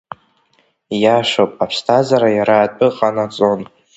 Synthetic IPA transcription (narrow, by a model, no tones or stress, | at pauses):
jaʂopʼapʰstʰazaɾajaɾaːtʼɨqʼanat͡sʼon